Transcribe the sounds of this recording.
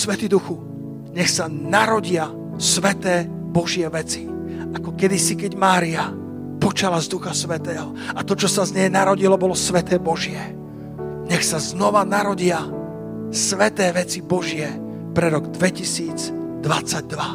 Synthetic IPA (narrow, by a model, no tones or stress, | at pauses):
sʋɛt̪id̪uxu | ɲɛxsanaɾɔɟɪa | sʋɛt̪ɛː | bɔʒɪɛʋɛt͡si | ʔakɔkɛd̪isikɛɟmaːɾia | pɔt͡ʃalazd̪uxasʋɛt̪ɛːɦɔ | at̪ɔt͡ʃɔsazɲɛjnaɾɔɟilɔbɔlɔsʋɛt̪ɛːbɔʒɪɛ | ɲɛxsaznɔʋanaɾɔɟɪa | sʋɛt̪ɛːʋɛt͡sibɔʒɪɛ | pɾɛɾɔɡd̪ʋɛcisiːd͡zd̪ʋat͡saɟ̚d̪ʋa